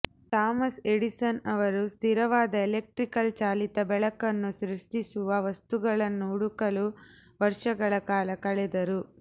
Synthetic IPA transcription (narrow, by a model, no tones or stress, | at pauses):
t̪aːmɐseɽisɐnɐʋɐɾust̪ʰiɾɐʋaːd̪ɐelek̚ʈɾikɐlt͡ʃaːlit̪ɐbɛɭɐkɐnːuʃɾuʂʈisuʋɐʋɐst̪uɡɐɭɐnːuːɽukɐluʋɐɾʂɐɡɐɭɐkaːlɐkɐɭɛd̪ɐɾu